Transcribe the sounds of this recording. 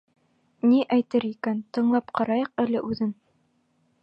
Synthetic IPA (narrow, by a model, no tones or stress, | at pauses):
niʔæjt̪ɘɾikænt̪ɤ̆ɴlˠɑpqɑɾɑjɤqælɘʔʉðɘn